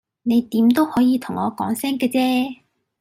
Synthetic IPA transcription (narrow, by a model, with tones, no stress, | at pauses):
ne˨˧jt̪iː˨˥mt̪o˥whɔː˨˥jiː˧t̪ʰʊ˨˩ŋɔː˨˧kɔ̰ː˨˥ŋsɛː˥ŋkɛː˧t͡sɛː˥